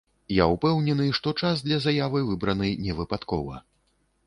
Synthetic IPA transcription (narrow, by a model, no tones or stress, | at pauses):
jaupɛwnʲɛnɨʂt̪ɔt͡ʂazd̪lʲɐzajavɨjvɨbɾɐnɨjnʲɛvɨpat̪kɔ̰vɐ̰